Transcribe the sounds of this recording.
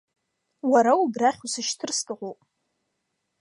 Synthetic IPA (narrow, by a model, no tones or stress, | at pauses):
waɾaubraχʲusɨʃtʰɨrstʼɨʁʷopʼ